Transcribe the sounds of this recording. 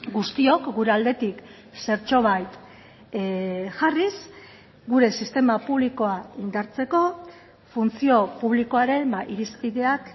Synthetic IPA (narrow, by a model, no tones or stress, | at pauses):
ɡust̪io̞kɡuɾe̞ald̪e̞t̪ik | se̞ɾt͡ʃo̞β̞ajt̪ | ʝaris | ɡuɾe̞sist̪e̞mapuβ̞liko̞aind̪aɾt͡se̞ko̞ | funt͡sio̞puβ̞liko̞aɾe̞mbaʔiɾispiðe̞ak